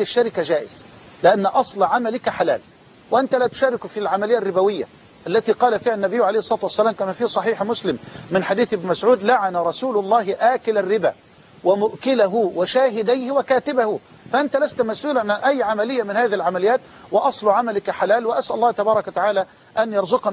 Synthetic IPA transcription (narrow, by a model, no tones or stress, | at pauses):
aʃːaɾɪkad͡ʒaːʔɪz̥ | lɪʔanːʔɑsˤlʕamalɪkħala̰ːl | wɪʔant̪alaːt̪ʊ̥ʃaːɾɪkfilʕamalɪjːrːɪbawɪjːa̰ | ʔalːat̪iːqɑːlafiːhanːabɪjːʊʕalejhsˤɑːt̪ʊwasːalaːmkamaːfiːsˤɑħiːħmʊslɪmːɪnħad̪iːθʔɪbnɪmasʕuːd̪laʕanaɾˤɑsuːlʊlˤːɑːɦɪʔaːkɪlarːɪba̰ː | wɪmʊʔkɪlaɦʊwɪʃaːɦɪd̪ajhɪwakaːt̪ɪbahʊ | faʔɪnt̪alast̪masʔuːlanaʔæjːʕamalɪjːamɪnhaːðihɪlʕamalɪjːaːt̪ | wɪʔɑsˤlʕamalɪkħalaːlwɪʔasʔælʊlˤːɑːt̪abɑːɾˤɑkwat̪aʕaːla | ʔanjɑɾˤzʊq